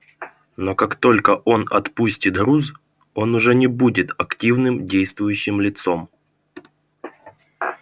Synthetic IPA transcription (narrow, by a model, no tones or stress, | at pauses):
no̞kakt̪o̞lʲkəʔo̞nɐ̰t̪pusʲtʲɪt̪ɣɾuz | o̞nʊʐɛnʲɪbudʲɪt̪ɐktʲivnɨmdʲejst̪vʊjʉɕːɪmlʲɪt̪so̞m